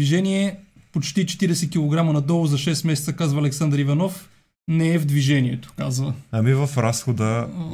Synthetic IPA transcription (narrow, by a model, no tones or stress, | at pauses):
viʒɛniɛ | pot͡ʃt̪it͡ʃɛ̥t̪iɾɛsɛkʲilˠoɡɾamɐnɐd̪ɔlˠʊzɐʃɛsmɛsɛt̪səkazvɐːlɛksand̪ɾivɐnɔf | nɛɛvd̪viʒɛniɛt̪o̥kazvəɐmivɐfɾasxod̪ə